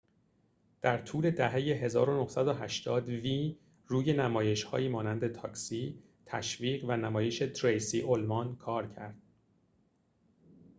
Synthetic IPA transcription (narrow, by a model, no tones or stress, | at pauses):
d̪̥æɾt̪ʰuːle̞d̪æɦejeɦe̞zɒːɾonohsæd̪oɦæʃt̪ʰɒːd̪viː | ruːje̞næmɒːje̞ʃhɒ̰ːjiːmɒːnænd̪e̞t̪ʰɒːksiː | t̪ʰæʃviːɢvænæmɒːje̞ʃe̞t̪ʰɾejsiːʔolmɒnkʰɒːɾcʰæɾd̪̥̚